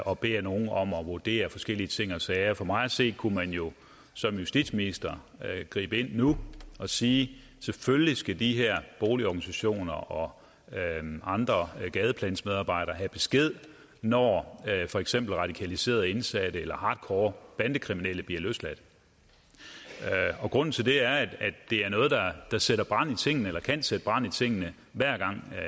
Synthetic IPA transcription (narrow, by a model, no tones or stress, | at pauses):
ʔɒ̽b̥e̝̰ːɐno̝ːn̩ɒ̽mɒ̽ʋoɐd̥e̝̰ːɐfɒ̽sɡ̥el̰iət͡sʰe̝ŋ̰ɒsɛːɐfɒ̽mɑ̈ɪɒse̝̰ːd̥̚kʰumænjo̝ | sɒ̽mjusd̥id̥sminisd̥ɐ | ɡ̥ʁḭːb̥əe̝n̰ːuɒ̽siː | seføllisɡ̥ædiɦeɐ̰b̥o̝ːliɒɡ̥ænisæɕo̝̰ːnɐʔɒ̽ | ɑ̈nd̥ʁɐɡ̥ɛːð̞ˠəpʰlɛ̰nsmeðˠɑ̈ːb̥ɑ̈ɪ̰ɾ̥ɐɦæb̥e̝sɡ̥e̝ð̞̰ˠ | nɒfɒ̽eɡ̥sem̰b̥l̩ʁɑ̈ɾ̥ikʰælise̝̰ːɐðˠe̝nsæd̥əelɐhɑ̈ːd̥kʰɒːb̥ænd̥əkʰʁimineləb̥liɐlø̰ːslæd̥ | ɒ̽ɡ̥ʁɔ̽n̰n̩t͡sʰe̝ld̥e̝æɐæ̥æd̥e̝æɐnɔ̽ːð̞̩ˠd̥ɑ̈d̥ɑ̈seɾ̥ɐb̥ʁɑ̈n̰it͡sʰe̝ŋ̰nəelɐkʰænsed̥əb̥ʁɑ̈n̰it͡sʰe̝ŋ̰ənə | ʋæɐ̰ɡ̥ɑ̈ŋ̰